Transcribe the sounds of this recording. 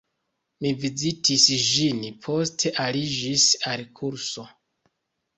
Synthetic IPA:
mivizitʰisʒinpʰo̞stʰe̞ʔalid͡ʒisalkʰuɾso̞

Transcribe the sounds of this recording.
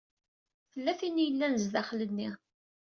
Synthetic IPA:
θəlːæθinːjəlːænəzðæχlənːi

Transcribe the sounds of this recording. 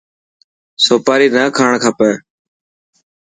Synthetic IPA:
soːpaːɾiːnəːkʰaːɳkʰapɛː

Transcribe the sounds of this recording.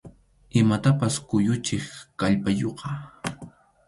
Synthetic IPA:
ɪmat̪apaskʊjʊt͡ʃɪχkaʎpajoqɑ

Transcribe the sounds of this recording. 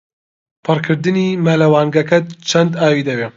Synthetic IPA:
pʰɨrkʰɨɾd̪ɨniːmɐlɐwaːŋɡɐkʰɐt̪t͡ʃʰɐnd̪aːwiːd̪ɐbeː

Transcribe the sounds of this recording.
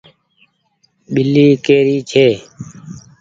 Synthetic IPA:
ɓɪliːkeːɾiːt͡ʃʰeː

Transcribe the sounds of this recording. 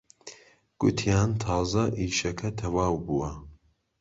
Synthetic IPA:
ɡ̥ʊt̪ʰijaːnt̪ʰɑːzɐʔiːʃɐkʰɐt̪ʰɐwaːwbuwɐ

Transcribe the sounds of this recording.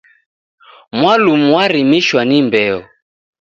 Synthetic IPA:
mwalumuwaɾimiʃwanimbɛɔ

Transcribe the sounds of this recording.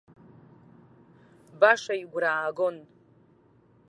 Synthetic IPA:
baʂajiɡʷraːɡon

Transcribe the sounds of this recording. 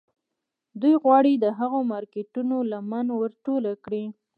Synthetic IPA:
d̪ujɣwɑɽid̪əɦaɣomɑɾkeʈunolamanwəɾʈolakɽi

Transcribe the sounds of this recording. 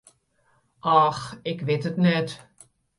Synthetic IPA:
ʔɑxɪkʋɪtətnɛt

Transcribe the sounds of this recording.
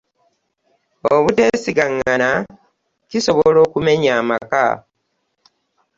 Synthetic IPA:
oβute̞ːsiɡaŋːana | ciso̞βolo̞ːkume̞ɲaːmaka̰

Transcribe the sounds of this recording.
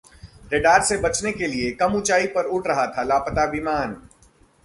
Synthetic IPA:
ɾeɖaːɾsebɐt͡ʃnekeliekɐmʊt͡ʃaːipɐɾʊʈʰɾɐɦat̪ʰalaːpət̪aʋimaːn

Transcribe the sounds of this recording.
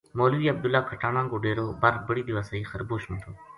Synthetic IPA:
moːlʋiːəb̚d̪ʊlaːkʰəʈaːɳãːŋɡoːɖeːɾoːbaɾbəɽiːd̪ɪʋaːsəiːxəɾboːʃmʊ̃t̪ʰoː

